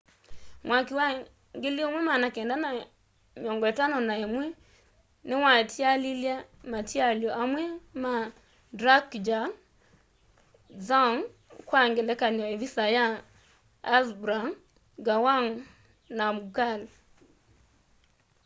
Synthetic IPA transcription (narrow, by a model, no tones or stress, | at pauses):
mwʔakiwa | ŋɡɪljomwɛmanakɛndana | mjɔŋɡwɛtanɔnaemwɛ | nɪwatjaliljamatjaljɔʔamwɛma | dɾakd͡ʒaŋ | zaŋ | kwaŋɡɪlɛkanɔevisajaː | zbɾaŋ | ɡawaŋ | namkal